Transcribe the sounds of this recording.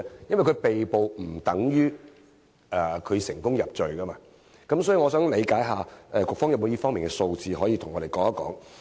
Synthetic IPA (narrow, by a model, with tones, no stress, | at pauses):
jɐ˥nwjkʰpe˨jpo˨wm̩˨˩t̪ɐ˨˥ŋjyː˥ | ʔɛ˧kʰɵ˨˧ɥsɪ˨˩ŋkʊ˥ŋjɐ˨p̚t͡ʃɵ˨ɥkɐ˥maː˧ | kɐ˨˥msɔː˨˥jiː˨˧ŋɔː˨˧sœː˨˥ŋle˨˧jkaː˨˥jɦaː˨˧ɛ˨˧kɔː˧kfɔː˥ŋjɐ˨mo˨˧jiː˥fɔː˥ŋmiː˨nkɛ˧so˧wt͡siː˨˧ɦɔː˨˥jiː˧t̪ʰʊ˨˩ŋɔ˨˧ɾe˨˩jkɔː˨˧˥a˦˥kɔ̰ː˨˥ŋ